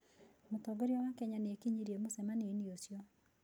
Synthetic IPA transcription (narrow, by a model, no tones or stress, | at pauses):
motɔɡoɾjɔwakɛɲanekiɲiɾiemosɛmaneniosjɔ